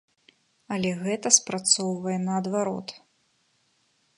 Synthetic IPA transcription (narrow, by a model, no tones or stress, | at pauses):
ɐlʲɛɣɛt̪ɐspɾat̪sɔwvɐjɛnɐːd̪vaɾɔ̰t̪